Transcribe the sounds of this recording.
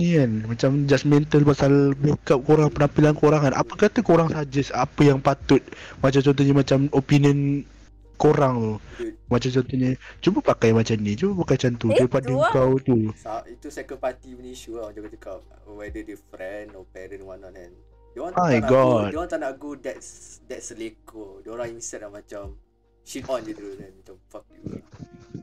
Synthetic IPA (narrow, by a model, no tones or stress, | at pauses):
nikanmat͡ʃamd͡ʒasmɛnt̪əlpasalbekap̚koɾaŋpənampilankoɾaŋanʔa̰pəkat̪əkoɾaŋsad͡ʒəsapəjaŋpat̪ʊt̪̚mat͡ʃamt͡ʃɔnt̪̬uhɲəmat͡ʃamopiniən | koɾaŋt̪umat͡ʃamt͡ʃɔnt̪uɲət͡ʃubəpakajmat͡ʃamnit͡ʃubəpakajt͡ʃant̪uubəpadəŋkawt̪usaʔit̪usɛkə̃npat̪iməniʃuaãd͡ʒakat͡ʃukap̚ | wɛdədəfɾɛ̃nɔpɛɾə̃nwanɔʔɛ̃n | dewɔ̃najɡɔdewɔ̃nt̪anaɡudɛtsdɛtsəlekədɾãŋinsɛt̚lamat͡ʃam | ʃit̪ɔ̃nd͡ʒud̪ɾunɛ̃nmat͡ʃamfɔk̚u